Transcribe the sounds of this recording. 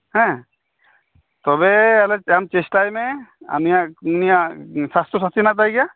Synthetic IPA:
hɛ̃ | t̪ɔbɛalɛamt͡ʃesʈajmɛa̰nijaʔnijasast̪ɔsat̪inat̪ajɡɛja

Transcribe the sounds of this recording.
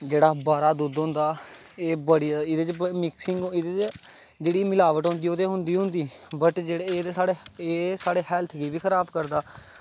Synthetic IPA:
d͡ʒeːɽaːbaːɾaːd̪uːd̪ɦʊ̃ːnd̪aː | eːbəɽijaɪd̪eːt͡ʃbəmɪksɪŋɡɪd̪et͡ʃ | d͡ʒeːɽiːmɪlaːʋəʈɦõːnd̪iːoːt̪eːɦʊ̃nd̪iːɦʊ̃nd̪iːbəʈd͡ʒeːɽeːesaːɽeːeːsaːɽeːɦɛːlt̪ʰɡiːbiːkʰəɾaːbkəɾd̪aː

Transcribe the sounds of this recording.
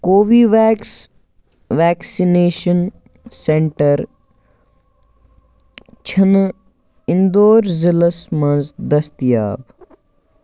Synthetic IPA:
koːʋiːʋɛːks | ʋɛːksineːʃən | sẽɳʈəɾ | t͡ʃʰɐn | ɪnd̪oːɾziləsmɐ̃nzd̪ɐst̪ija̰ːb

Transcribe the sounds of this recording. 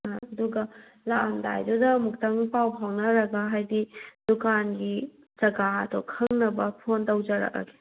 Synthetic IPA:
ɐduɡɐ | laʔɐmda̰jdudɐmuk̚tɐŋpawpʰawnɐɾɐɡaɦajdid̥ukanɡi | zɐɡaɐdɔkʰɐŋnɐbɐpʰontɐwd͡ʒɐɾɐ̰k̚a̰ɡe̥

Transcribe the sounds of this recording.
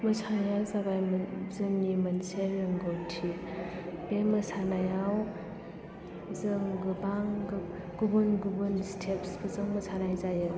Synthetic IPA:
mɐsʰajazabajmzɯŋnimɐnseɾeŋɡontʰi | bemɐsanajaw | zɯŋɡɯbaŋɡ | ɡ̥ubɯnɡubɯnstʰepsbɐzɯŋmɐsʰanajzajɯ

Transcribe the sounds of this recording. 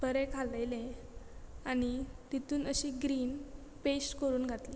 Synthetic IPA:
bəɾekʰaləjle | añit̪it̪uːnəɕiːɡɾiːn | pesʈkəɾuːnɡʱat̪liː

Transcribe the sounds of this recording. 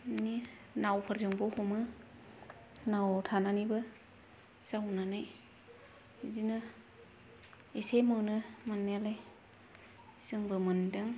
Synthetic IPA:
ni | nawpʰaɾzɯŋbɯwhumɯ | nawtʰananibɯ | sawnanaj | dinɯ | esemawnɯmanːajalaj | sɯŋbɯmɯndɯŋ

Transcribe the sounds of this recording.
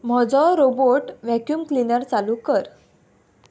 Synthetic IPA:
m̤ɔd͡zɔɾoboʈʋɛkjuːmklinəɾt͡salukəɾ

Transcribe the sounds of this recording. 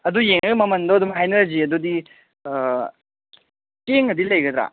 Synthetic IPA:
ɐd̪ujeŋɐɡmɐmɐnd̪ɔɐd̪umɦajnɐɾɐziɐd̪ud̪i | keŋɐd̪ilɐjɡɐd̪ɾa̰

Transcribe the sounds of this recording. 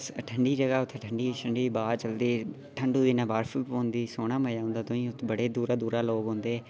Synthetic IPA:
səʈʰəɳɖiːd͡ʒəɡaːʊt̪ʰːʈʰəɳɖiːʃəɳɖiːbaːɾt͡ʃəld̪iː | ʈʰəɳɖuːd̪iːnãːbaːɾfəpoːʊnd̪iːsoːɽ̃aːməjaːɦʊ̃nd̪aːt̪ʊĩːʊt̪ʰːbəɽeːd̪uːɾaːd̪uːɾaːloːɡɦõːnd̪eː

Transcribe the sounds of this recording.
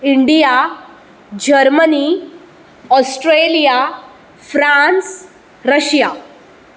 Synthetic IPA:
iɳɖija | d͡ʑəɾməni | ɔsʈɾelija | fɾãns | ɾəɕja

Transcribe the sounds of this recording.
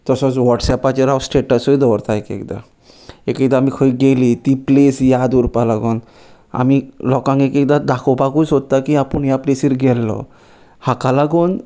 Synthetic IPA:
t̪ɔsɔswɔʈsɛpat͡ʃeɾawsʈeʈasojd̪ɔwɾt̪ʰaekḛkd̪a̰ | ekekd̪aːmikʰɔjɡelit̪iplesjad̪uɾpalaɡɔn | a̰milɔkaŋekek̚d̪ad̪akʰɔpakusɦot̪ːakiapunijaplesiɾɡɛlːɔ̰ | hakalaɡɔn

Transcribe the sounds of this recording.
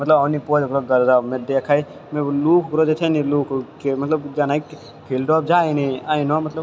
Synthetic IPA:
mɐt̪ləbanipoːd͡ʒ̪kɾoɡɐɾzaːmẽd̪eːkʰaːi | mẽluːkʰːkɾod͡ʒet̪ʰeniluːkʰkemɐt̪ləbd͡ʒaːnai | pʰilɖɔb̚d͡ʒaːeneainamɐt̪ləb

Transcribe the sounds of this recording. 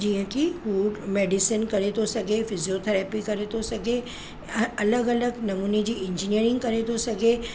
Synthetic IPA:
d͡ʑiːə̃kifuːɖmeːɖɪsɪnkɐɾet̪ʰosɐɡʱefɪziot̪ʰɛɾɛpikɐɾet̪ʰosɐɡʱe | ɐləɡɐləɡnɐmuːned͡ʑiːɪ̃ɲd͡ʑiniəɾɪ̃ŋɡkɐɾet̪ʰosɐɡʱe

